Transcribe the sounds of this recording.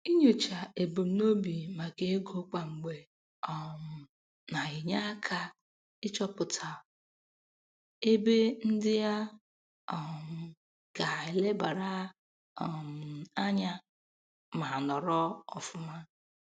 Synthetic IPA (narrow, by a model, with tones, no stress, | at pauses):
i˦ɲo˨t͡ʃa˨e˨bo˨m̩˨˦no˦bi˨ma˨ke˦ɡo˦k͡pa˨ŋ͡m̩˨ɡ͡be˨ | ɔ˨m˨ | na˨ɣɪ˨ɲa˦kʰa˦ | ɪ˦t͡ʃɔ˦pʊ˨tʰa˨ | e˦be˦n̩˦dɪ˦ja˦ | ɔ˨m˨ | ɡ̥a˨e˨le˦ba˨ɾa˦ | ɔ˨m˨a˦ɲa˦ | ma˨nɔ˨ɾɔ˦ɔ˨fʊ˦ma˦